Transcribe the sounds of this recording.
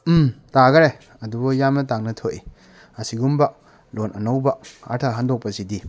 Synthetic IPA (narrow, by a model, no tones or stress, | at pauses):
mtaɡɐɾe | ɐdubɐjamnɐtaŋnɐtʰoʔi | ɐsiɡumbɐ | lonʔɐnɐwbɐa̰ɾtʰaɦandok̚pɐsidi